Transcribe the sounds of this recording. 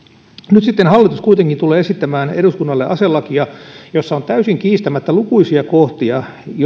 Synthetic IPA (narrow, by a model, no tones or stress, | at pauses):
nyt̪sit̪ːenhɑlːit̪uskuit̪eŋkint̪uleːesit̪ːæmæːneduskunːɑlːeʔɑselːɑkijɑjosːɑont̪æysiŋkiːst̪æmæt̪ːælukuisiɑkoht̪iɑ | j